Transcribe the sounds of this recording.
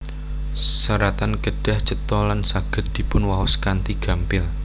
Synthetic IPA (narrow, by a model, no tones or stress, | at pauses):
səɾat̪anɡ̥əɖ̥a̤ht͡ʃət̪ɔlansaɡ̥ə̤t̪̚d̪̥i̤pʊnwawɔskant̪iɡ̥a̤mpɪl